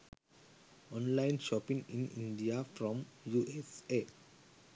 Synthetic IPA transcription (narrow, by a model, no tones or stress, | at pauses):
ɔ̃nlãɪ̃nʃɔpĩŋĩnḭ̃nɖiafɾɔ̃mjuʔese